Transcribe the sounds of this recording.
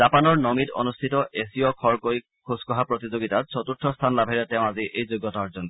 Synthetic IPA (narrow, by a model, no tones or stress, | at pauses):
z̥apanɔɹnomitɔ̰nustʰitɔʔesiɔkʰɔɹkoj | kʰuskɔɦapɹot̪izoɡitat̚sʰɔtuɹtʰɔst̪ʰanlabʱɛɹɛtɛʊ̃aziʔejzojɡɔtaɔɹzɔnk